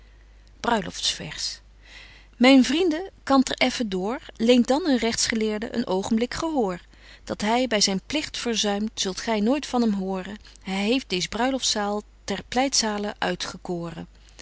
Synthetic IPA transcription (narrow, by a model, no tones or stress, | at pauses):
b̥rœɥlɔ̰ftsfɛ̰ɹs | mɛjnvrindəkɑmtəɹʔɛfədʊːɹlejnt̚dɑnənrɛχtsχəlɪːɹdəʔə̰nʔowχəmblɪkχəɦʊːɹ | d̥ɑtɦɛjbɛjzɛjnplɪχtfəɹzœɥmtsɵlˠtχɛjnoːjtfɑnɦɛmɦʊːrə | ɦɛjɦejft̚dejzəbrœɥlɔftsaːlˠ | tɛɹplɛjtsaːləʔœ̰ɥtχəkoːrə̰